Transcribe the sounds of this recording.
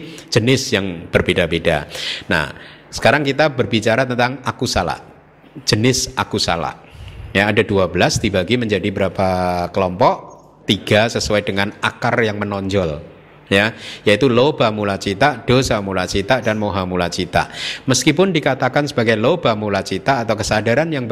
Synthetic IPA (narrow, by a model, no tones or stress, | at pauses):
d͡ʒ̥ənɪsjaŋb̥ərbedabeda̰na̰h | sə̥kaɾaŋkit̪abərbit͡ʃaɾat̪ənt̪aŋakusala̰ | d͡ʒ̥ənɪsʔa̰kusa̰la̰ʔjaːdaduabəlasd̪ibaɡiməɲd͡ʒadibəɾapakəlɔmpɔʔ | t̪iɡasəsuaidəŋanakarjaŋmənɔɲd͡ʒɔl | jajait̪ulob̥amulat͡ʃit̪aʔd̥osamulat͡ʃit̪aʔdanmoɦamulat͡ʃit̪a̰ʔməskipʊndikat̪akansəbaɡajlobamulat͡ʃit̪aːt̪awkəsadaɾanjaŋb